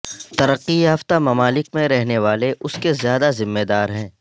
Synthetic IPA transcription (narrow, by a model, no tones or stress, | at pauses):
t̪ɐɾəqːiɦɐft̪amɐmaːlɪkmẽɾɛɦneʋaːleʔʊskezjaːd̪azɪmːed̪aːɾɦɛ̃ː